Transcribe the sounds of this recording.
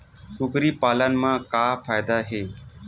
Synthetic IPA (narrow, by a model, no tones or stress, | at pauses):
kʊkɾiːpaːlənmãːkaːfaːjd̪aːɦeː